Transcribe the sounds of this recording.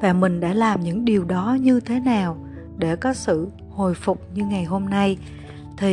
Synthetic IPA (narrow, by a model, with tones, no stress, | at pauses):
vaː˨˩mï˨˩ŋ̟ɗa̰ː˧˥laː˨˩mɲɨ̰˧˥ŋɗi˨˩əwɗɔ˨˦ɲɨ˧t̪ʰe˨˦naː˨˩w | ɗe˧˩kɔ˨˦sɨ̰˧˨ | ho˨˩jfʊ˨˩k͡p̚ɲɨ˧ŋa˨˩jɦo˧mna˧j | t̪ʰi˨˩